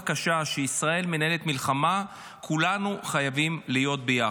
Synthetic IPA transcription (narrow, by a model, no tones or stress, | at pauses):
kaʃaʃeisʁae̞lmenae̞let̪milχama | kʰulanuχajavimlijo̞t̚beja